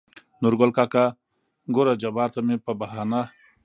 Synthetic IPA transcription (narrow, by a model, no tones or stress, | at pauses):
nuɾɡolkaka | ɡoɾad͡ʒɐbaːɾt̪ɐmepɐbɐɦaːna